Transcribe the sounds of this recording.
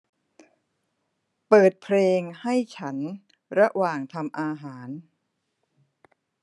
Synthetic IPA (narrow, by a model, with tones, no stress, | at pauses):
pɤː˨˩t̪̚pʰleː˧ŋha˥˩jt͡ɕʰa˦˥n | ɾa˦˥waː˨˩ŋt̪ʰa˧mʔaː˧ɦaː˩˦n